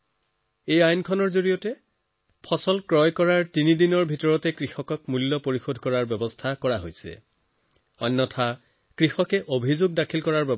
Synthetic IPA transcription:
ejajnkʰɔnɔɹzoɹijɔtɛ | pʰɔsɔlkɹɔjkɔɹaɹtinidinɔɹbʱitɔɹɔtɛkɹixɔkɔkmulːɔpoɹixodʱkɔɹaɹbɛbɔstʰakɔɹaɦojsɛ̰ | ɔ̰nːɔtʰa | kɹixɔkɛʔobʱizoɡ̚dakʰilkɔɹaɹbɛ

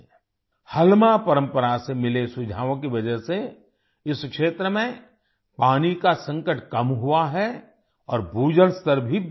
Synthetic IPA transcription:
hɐlmapɐɾə̃mpəɾasemɪlesʊd͡ʒʱaːʋõkiʋɐd͡ʒəɦse | ɪskʃeːt̪ɾəmẽ | paːnikasɐ̃ŋkəʈkɐmɦuaɦɛ | ɔːɾbʱuːd͡ʒəlst̪əɾbʱi

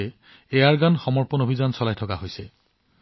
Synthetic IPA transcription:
ɛ | ejaɹɡanxɔmɔɹpɔnobʱizansɔlajtʰɔkaɦojsɛ

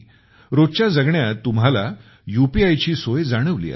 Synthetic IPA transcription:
ɾodt͡ɕjad͡zəɡɳjat̪ːum̤ɦala | jupiajt͡ɕiːsojd͡zaɽ̃əʋlḭːa̰

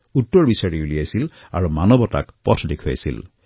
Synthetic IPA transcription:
utːɔɹbisaɹiuliajsil | aɹumanɔbɔta̰kpɔ̰tʰdekʰuja̰jsḭl

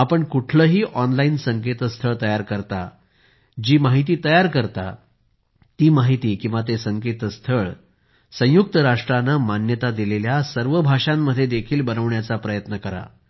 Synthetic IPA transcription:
apəɳkuʈʰləːɦiːʔɔnlaiːnsəŋket̪əst̪ʰəɭt̪əjaɾkəɾt̪a | d͡ʑiːmaɦit̪iːt̪əjaɾkəɾt̪a̰ | t̪iːmaɦit̪iːkĩw̃ʋat̪̬esəŋket̪əst̪ʰəɭ | sə̃juk̚t̪əɾaʂʈɾanamanjət̪ad̪ileljasəɾʋəbʱaʂamːəd̪ʱːjed̪ekʰiːlbənəʋɳjat͡sapɾəjət̪nəkəɾa̰

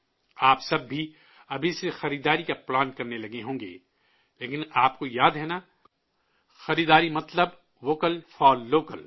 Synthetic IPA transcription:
aːpsɐb̚ːʱi | ɐbʱisexɐɾiːd̪aːɾikaplaːnkɐɾnelɐɡeɦõːŋɡḛː | leːkɪnaːp̚kojaːd̪ɦɛːna | xɐɾiːd̪aːɾimɐt̪ləb | ʋoːkəlfɔːlːoːkəl

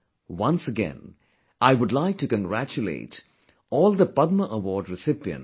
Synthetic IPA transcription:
wʌ̃nsəɡɛ̰̃n | ʔaɪʋʊdlaɪk̚ʈʰukə̃ŋɡɾæt͡ʃulḛɪt | ɔːlˠd̪əpʌd̪̚məʔəʋɔːɖɾɪsɪpiə̰̃n

